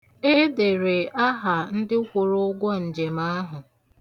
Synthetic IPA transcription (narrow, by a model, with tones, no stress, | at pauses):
e˦de˨ɾe˨a˦ɦa˨n̩˦dɪ˦kʷʊ˨ɾʊ˦ʊ˦ɡʷɔ˦n̩˨d͡ʒe˨ma˦a˦ɦʊ˨